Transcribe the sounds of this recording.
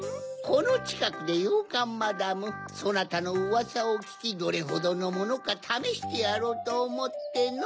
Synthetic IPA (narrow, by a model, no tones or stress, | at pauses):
kʰo̞no̞t͡ɕi̥kakɯ̟d̪e̞jɯːkãmːad̪amɯ̟so̞nat̪ano̞ɯβasaokʲi̥kʲid̪o̞ɾe̞ɦo̞d̪o̞no̞mo̞no̞kat̪ʰameɕi̥t̪e̞jaɾo̞t̪oːmo̞t̪ːe̞n